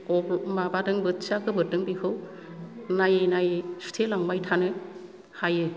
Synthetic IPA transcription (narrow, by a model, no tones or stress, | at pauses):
kɔmabadɯŋbɯtsakʰɯbɯɾtɯŋbikʰɯw | najenajsu̥tʰelaŋbajtʰanɯ | hajɯ